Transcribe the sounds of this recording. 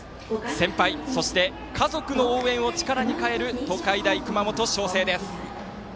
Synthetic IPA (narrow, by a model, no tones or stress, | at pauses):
sẽ̞mpaiso̞ɕi̥t̪e̞ | kʰazo̞kɯ̟no̞oːẽ̞ɰ̃o̞t͡ɕi̥kaɾaɲ̟ikae̞ɾɯ̟t̪o̞kaid̪aikɯ̟mamo̞t̪o̞ɕo̞ːse̞ːd̪e̞sɨ̥